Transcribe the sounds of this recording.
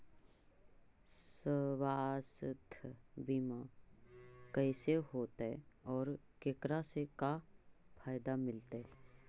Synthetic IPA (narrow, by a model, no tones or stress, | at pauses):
səwaːst̪ʰbima | kəɪseɦoːt̪ɛɔːɾkekɾasekapʰaːjd̪amɪlt̪eɦɛ